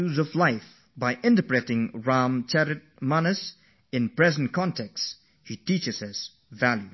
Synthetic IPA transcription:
uzʌvlaɪf | baɪʔɪ̃ntəpɹɛtɪ̃ŋɹãmt͡ʃʰɛɹɨt̚manəs | ɨ̃npɹ̥ɛzn̩kʰɔ̃ntʰɛks | hitit͡ʃɨz̥əz̥ | vælˠju

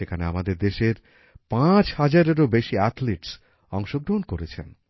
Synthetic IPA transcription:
ekʰanea̰mad̪eɾd̪eʃeɾ | pãt͡ɕhad͡ʑaɾeɾobeʃiat̪leʈs | ɔŋʃoɡɾoonkoɾet͡ɕʰen

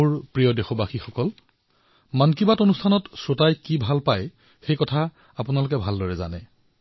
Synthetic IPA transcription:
uɹpɹijɔdexɔbaxixɔkɔl | mankibatonustʰanɔtsotajkibʱalpaj | xejkɔtʰa | apʊnalʊk̬ɛbʱaldɔɹɛza̰nɛ̰

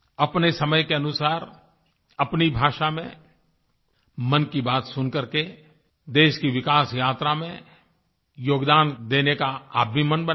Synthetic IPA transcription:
ɐpnesɐməjkeɐnʊsaːɾ | ɐpnibʱaːʃamẽ | mɐ̃nkibaːt̪sʊnkɐɾke | d̪eːʃkiʋɪkaːsjaːt̪ɾamẽ | joːɡd̪aːnd̪eːnekaa̰ːbʱimənbə

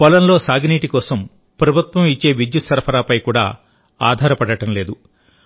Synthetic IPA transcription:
pɔlɐnlo̞ːsaːɡniːʈikɔːsɐm | pɾɐbʱut̪ʋɐmit͡ʃːe̞ːʋid̪jusɐɾpʰɐɾaːpɐjkuːɽa̰ː | a̰ːd̪ʱaːɾɐpɐɽɐʈɐmle̞ːd̪u

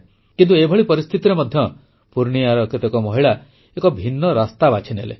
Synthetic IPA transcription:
kint̪uebʱɔɭipɔɾist̪ʰit̪iɾemɔd̪ʱjɔ | puɾɳiaɾɔket̪ekɔmɔɦiɭa | ekɔbʱinːɔɾast̪abat͡ʃʰinḛlḛ

